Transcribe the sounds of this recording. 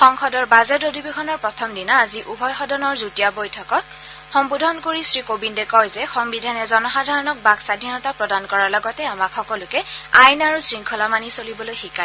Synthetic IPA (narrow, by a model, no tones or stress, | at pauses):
xɔŋxɔdɔɹbazɛtodibexʰɔnɔɹpɹɔtʰɔmdinaːziʔubʱɔjxɔdɔnɔɹzutijabojtʰɔkɔt | xɔmbudʱɔnkoɹisɹikobindɛkɔjzɛxɔmbidʱanɛzɔnɔxadʱaɹɔnɔk̚baksadʱinɔtapɹɔdankɔɹaɹlɔɡɔtɛamakxɔkɔlʊkɛajnaɹusɹiŋkʰɔlamanisolibɔlojxika